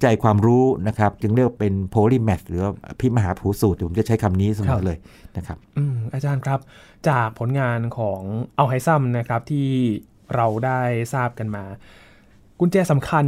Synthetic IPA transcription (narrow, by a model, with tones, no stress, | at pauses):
t͡ɕa˧˩jkʰwaː˧mɾuː˦˥na˦˥kʰɾa˦˥p̚t͡ɕɯ˧ŋɾi˥˩kwa˧pe˧npʰoː˧liː˥˩mɛ˨˩t̚ɾɯː˩˦wa˥˩ʔpʰi˦˥˩maː˧ɦaː˩˦pʰuː˩˦su˨˩iː˨˩po˩˦t͡ɕa˨˩t͡ɕʰa˦˥jkʰa˧mniː˦˥so˨˩˨lɤː˧jna˦˥kʰɾa˦˥p̚ʔɯː˧˩ʔaː˧t͡ɕaː˧nkʰɾa˦˥p̚ | t͡ɕaː˨˩k̚pʰo˩˦nŋaː˧nkʰɔː˩˦ŋʔa˧wɦa˧˦˥jsa˥˩mna˦˥kʰɾa˦˥p̚t̪ʰiː˥˩ | ɾa˧wdaː˥˩jsaː˥˩p̚ka˧nmaː˧ | kʰu˧nt͡ɕɛː˧˩sa˨˩˦mkʰa˧n